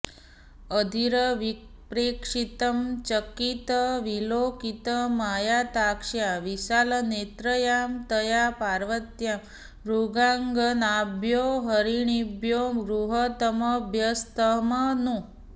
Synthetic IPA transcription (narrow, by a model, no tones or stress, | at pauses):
əd̪ʱiɾəʋi | pɾekʂit̪əmt͡ʃəkit̪əʋilokit̪əmajat̪akʂjaʋisalənet̪ɾəjamt̪əjapaɾʋət̪jam | ɾuɡaŋɡənabʱjoɦəɾiɳibjoɾuɦət̪əməbʱjəst̪əmənu